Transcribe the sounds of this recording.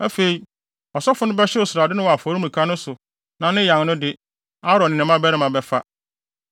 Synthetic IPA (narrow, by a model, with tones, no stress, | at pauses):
ɛ˦fe˨i˨˦ | ɔ˨sɔ˦fʊ˦nʊ̃˦bɛ˦ɕɛ˦ʊ˨sʊ˨ɾa˨dɪ˦nʊ̃˦wɔ˨a˨fɔ˨ɾĩ˦m˨ĩ˨kʰa˦nʊ̃˦sʊ˨ | nã˨nɪ̃˦jã˨ŋnʊ̃˦dɪ˦ | a˦ɾɔ˨nɪ̃˨nɪ̃˨mã˦bɛ˦ɾɪ˦mã˨bɛ˨fa˦